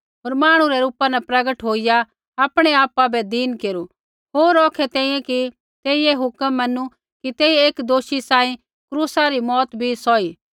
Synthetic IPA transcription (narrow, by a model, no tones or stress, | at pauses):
ɦoːɾmaːɽ̃ũɾɛɾuːpanɛpɾɐɡəʈɦoːija | aːpɽ̃eaːpabɛd̪iːnkeːɾu | ɦoːɾɔːkʰɛt̪ɛ̃ːĩjẽki | t̪eːieɦʊkəmːɐnːu | kit̪eːieːkd̪oːʃisãːĩ | kɾuːsaɾimɔːt̪bʱisɔiː